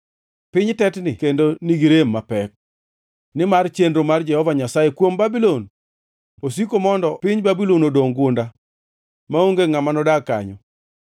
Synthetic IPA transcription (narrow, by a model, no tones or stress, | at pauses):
pɪɲtɛtnɪkendoniɡiɾemːapɛk̚ | nɪmart͡ʃendɾomard͡ʒɛhɔvaɲasajekwombabilon | os̬ikomɔndɔpɪɲbabilonodoŋɡʊnda | maoŋɡeŋamanɔdakːa̰ɲɔ̰